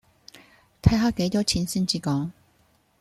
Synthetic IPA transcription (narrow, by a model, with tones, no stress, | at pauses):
t̪ʰɐ˨˥jɦaː˨˥ke˨˥jt̪ɔː˥t͡sʰiː˨˧˥nsiː˥nt͡siː˨˧kɔː˨˥ŋ